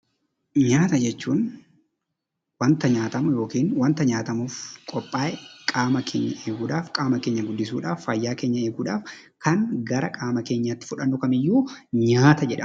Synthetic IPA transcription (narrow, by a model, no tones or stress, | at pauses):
ɲaːt̪ɐd͡ʒɛt͡ʃːuːn | wɐnt̪ɐɲaːt̪ɐmʊjo̞ːkiːnwɐnt̪ɐɲaːt̪ɐmuːfkʼɔpʼːaːʔɛkʼaːmɐkʰḛːɲːɐʔeːɡuːᶑaːfkʼaːmɐkeːɲːɐɡʊd̪ːɪsuːᶑaːfɐjːaːke̞ːɲːɐe̞ːɡuːᶑaːf | kɐŋɡɐɾɐkʼaːmɐke̞ːɲːɐt̪ːɪ̥fʊᶑɐnːʊkɐmɪjːuːɲaːt̪ɐd͡ʒɛᶑɐ